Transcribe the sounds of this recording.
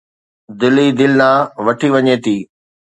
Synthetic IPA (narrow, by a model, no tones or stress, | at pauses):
d̪ɪlid̪ɪlnãːʋɐʈʰiʋɐɲeːt̪ʰiː